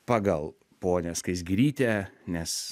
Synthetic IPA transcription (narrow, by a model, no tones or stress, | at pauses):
pɑɡɐlˠ | poːnʲɛskɐɪs̬ɡɾʲiːt̪ʲɛnʲɛs